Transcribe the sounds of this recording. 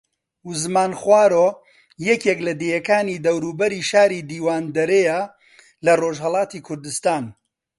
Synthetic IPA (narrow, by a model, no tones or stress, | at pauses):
uzmaːnχwaːɾo | jɛkeklɐd̪ejɐkaːnid̪ɐwɾuːbɐɾiːʃaːɾid̪iːwaːnd̪ɐɾejɐ | lɐroʒɦɐlˠɑːt̪iːkʰʊɾd̪ɨst̪aːn